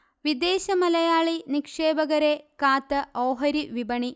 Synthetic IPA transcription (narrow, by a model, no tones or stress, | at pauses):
ʋid̪eːʃɐmɐlɐjaːɭinikʂeːbɐɡɐɾeːkaːt̪ɐɐwɦɐɾiʋibɐɳi